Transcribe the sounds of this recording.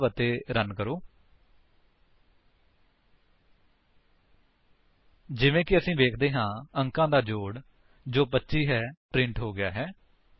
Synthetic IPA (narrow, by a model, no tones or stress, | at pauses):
ʋət̪eːɾənkəɾoː | d͡ʒɪʋẽːkɪəsĩːʋeːkʰd̪eːɦãːəŋkãːd̪aːd͡ʒoːɽ | d͡ʒoːpətːʃiːɦɛːpɾɪ̃ɳʈɦoːɡɪja̰ːɦɛː